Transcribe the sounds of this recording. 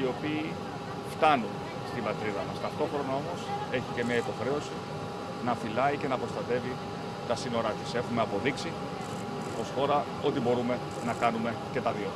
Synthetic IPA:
io̞piː | ft̪ɐnun | st̪ibɐt̪ɾiðɐmɐst̪ɐft̪o̞xɾo̞nɐo̞mo̞se̞çice̞mɲɐipo̞xɾe̞o̞si | nɐfilɐice̞nɐpɾo̞st̪ɐt̪e̞vi | t̪ɐsino̞ɾɐt̪ise̞xume̞ɐpo̞ðiksi | o̞sxo̞ɾɐ | o̞t̪ibo̞ɾume̞ | nɐkɐnume̞ce̞t̪ɐðio

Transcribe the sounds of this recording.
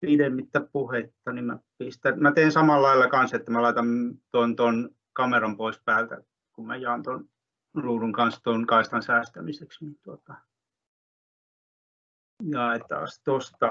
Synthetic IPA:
pidemːit̪ːæpuhet̪ːɑnimæpist̪ænmæt̪eːnsɑmɑllɑilːɑkɑnset̪ːæmælɑit̪ɑmt̪ont̪on | kɑmerɑmpoispæːlt̪æ̰ | kummæ̰jɑːnt̪on | ruːruŋkɑnst̪onkɑist̪ɑnsæːst̪æmiseksnint̪uot̪ɑ̥ | jɑet̪ɑ̰ːst̪ost̪ɑ

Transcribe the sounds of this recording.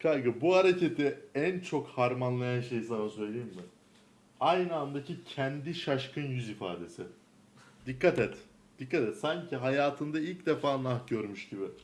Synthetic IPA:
kʰajɡɯbuhaɾecet̪ʰɪænt͡ʃʰokhaɾmanlˠajanʃe̞jsanasø̞jlʲejimmɪ | ajnɯand̪acʰicʰɛnd̪iʃaʃkʰɯnjyzifa̰ːd̪e̞sɪ | d̪̥ikʰːat̪ɛt̪ | d̪̥ikːat̪ɛt̪saɲcʰiɦajaːt̪ʰɯnd̪ailʲcd̪efaːnˠaxɟø̞ɾmyʃɟibɪ

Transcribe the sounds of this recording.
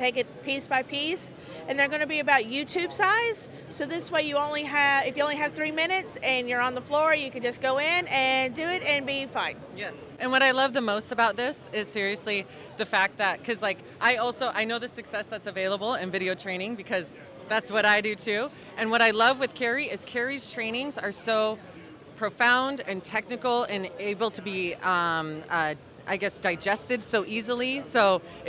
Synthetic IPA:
tʰeɪkɨt̚pʰisb̥aɪpʰis | ɨ̃nðə˞ɡʌñɨbiɨbaʊt̚jʉtʰʉb̥saɪdz̥ | soʊðɪsweɪjɨõʊ̃nliɨɨfjɨõʊ̃nliɨv̥θɹimɪ̃nɨtsɨ̃njə˞ə̃nðəflɔɹjɨkɨ̃nd͡ʒʌsɡ̥oʊɪ̃nɨ̃ndɨɪɾɨ̃nbifãɪ̃njɛs | ʔɨ̃nwʌɾaɪlʌvðəmoʊstɨbaʊt̪̚ðɪsɪz̥sɪɹiɨsli | ðɨfæk̚t̪̚ðɨt̚kʰʌzlaɪk | ʔaɪɔlˠsoʊʔaɪnoʊðɨsɨksɛsðɨtsɨveɪlˠəbl̩ˠɪ̃nvɪɾioʊtʰɹ̥ẽɪ̃ñɪ̃ŋbɨkʰʌz | ðætswʌɾaɪdɨtʰʉ | ʔɨ̃nwʌɾaɪlʌvwɨð̥kʰɛɹiɪz̥kʰɛɹiz̥tʰɹ̥ẽɪ̃nɪ̃ŋzə˞soʊ | pʰɹ̥oʊfãʊ̃ndɨ̃ntʰɛk̚nɨkl̩ˠɨ̃neɪbl̩ˠtʰɨbiʌ̃mʌ | ʔa̰ɪɡɛsd̥aɪd͡ʒɛstɨdsoʊʔizl̩ˠisoʊ

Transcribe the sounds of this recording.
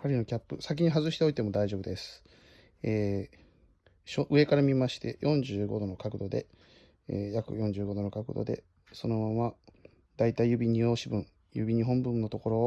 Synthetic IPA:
kaɾʲino̞kʲapːɯ̟̰sak̬ʲiɲ̟iɦazɨɕit̪e̞o̞it̪e̞mo̞d̪aiʑo̞bɯd̪e̞sɨ̥ | eː | ɕoʔɯ̟e̞kaɾamʲimaɕi̥t̪e̞̰jʔõ̞ɲ̟d͡ʑɨːɡo̞d̪o̞no̞kakɯ̟d̪o̞d̪e̞̰ | jakɯ̟̰jõ̞ɲ̟d͡ʑɨːɡo̞d̪o̞no̞kakɯ̟̰d̪o̞̰d̪e̞̰ | so̞no̞mama | d̪ait̪aijɯ̟bʲiɲ̟io̞ːɕibɯ̟̃ɴ | jɯ̰bʲiɲ̟iɦõ̞mbɯ̟̃nːo̞t̪o̞ko̞ɾo̞

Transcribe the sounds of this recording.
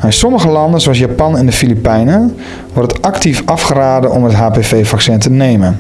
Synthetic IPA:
ɪnsɔməχəlɑndənzoɑls̬japɑnɛndəfilipɛjnə | ʋɔrtətʔɑktifɑfχəraːdəʔɔmətɦaːpevejvɑksɛntənejmən

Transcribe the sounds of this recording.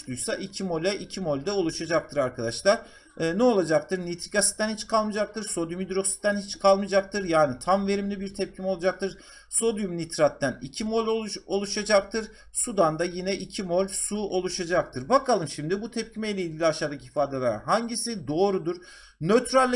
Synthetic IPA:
lˠujsaʔicʰimo̞lʲɛʔicʰimo̞lʲd̪ɛolˠuʃad͡ʒak̚t̪ʰɯɾaɾkʰad̪aʃlˠaɾ̥ː | nɛo̞lˠad͡ʒak̚t̪ɯɾnit̪ʰɾikasi̥t̪t̪ːænhit͡ʃkʰalˠmɯd͡ʒak̚t̪ʰɯɾso̞d̪jumid̪ɾo̞ksi̥t̪ænhit͡ʃkʰalˠmɯd͡ʒak̚t̪ʰɯɾjaːnit̪ʰamve̞ɾimlʲibiɾt̪ʰɛp̚cʰimɛo̞lˠad͡ʒak̚t̪ʰɯɾ | so̞d̪jumnit̪ɾat̪ːænicʰimo̞lʲoo̞lˠuʃad͡ʒak̚t̪ʰɯɾ | sud̪and̪ajinɛʔicʰimo̞lʲsuo̞lˠuʃad͡ʒak̚t̪ʰɯɾbakʰalˠɯmʃimd̪ibut̪ʰɛp̚cʰimejlʲɛilʲɟʲilʲiaʃaːd̪aciifaːd̪ɛlʲɛɾ̰ɦaɲɟisid̪o̞ːɾud̪uɾ | nøt̪ʰɾalʲː

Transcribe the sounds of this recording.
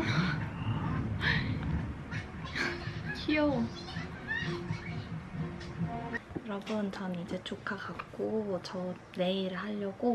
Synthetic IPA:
t͡ɕʰio | jʌɾʌbʌnt͡ɕanid͡ʑet͡ɕʰokʰakak͈ot͡ɕʌ | neiɾɯɭɦaʎːʌɡo

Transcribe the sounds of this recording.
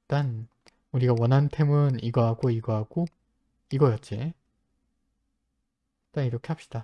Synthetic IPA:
t͈an | uɾiɡawʌnɦantʰe̞mɯniɡʌɦaɡoiɡʌɦaɡ̥o | iɡʌjʌt̚t͡ɕ͈i | taniɾʌkʰe̞ɦap̚ɕ͈i̥d̥a

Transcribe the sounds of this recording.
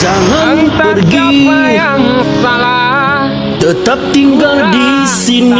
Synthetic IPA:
d͡ʒaŋanpərɡi | d̪̥ət̪əp̚t̪iŋɡəŋdi | sin

